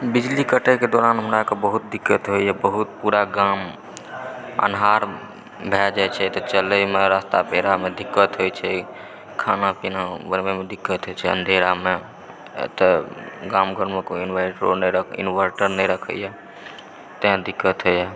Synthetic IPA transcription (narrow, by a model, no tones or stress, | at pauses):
bid͡ʒlikəʈeked̪oːɾanɦəmɾakebəɦut̪̚d̪ikːət̪ɦojɛbəɦut̪̚puɾaɡam | ə̰nɦaɾ | bʱɛd͡ʒat͡ʃʰɛt̪ɔt͡ʃələmeɾast̪apeɾamed̪ikːət̪ɦojt͡ʃʰɛ | kʰanapinabəɾmemed̪ikːət̪ɦojt͡ʃʰɛə̰̃nd̪ʱeɾame | t̪əɡamɡəɾməkinʋaʈɾo̰nəjɾəkʰḭnʋəɾʈəɾnəjɾəkʰə̰jɛ | t̪ə̃d̪ikːət̪ɦojjɛ